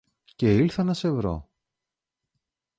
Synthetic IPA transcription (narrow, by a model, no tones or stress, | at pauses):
ce̞ilθɐnɐse̞vɾo̞̰